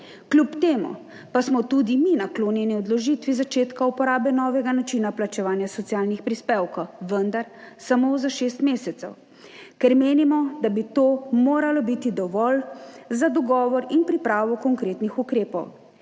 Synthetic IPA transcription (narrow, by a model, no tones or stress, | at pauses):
klʲupt̪eːmṵ | pasmɔt̪ud̪iminakloːnjɛniɔd̪lɔʒit̪ʋizat͡ʃeːt̪kaupɔɾaːbɛnɔːʋɛɡanat͡ʃinaplat͡ʃɛʋaːnjasɔt̪siaːlnixpɾispeːwkɔʋənd̪aɾsamoːzaʃeːst̪meːsɛt̪sɛw | kɛɾmeːnimɔd̪abit̪oːmoːɾalɔbit̪id̪ɔʋɔlzad̪ɔɡɔːʋɔɾinpɾipɾaːʋɔkɔŋkɾeːt̪nixukɾeːpɔw